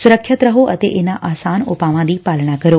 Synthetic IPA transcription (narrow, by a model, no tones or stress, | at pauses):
sʊɾəkʰʃət̪ɾəɦoʔət̪ḛʔenaʔaːsanopaʋãd̪ipalɳ̃akəɾjo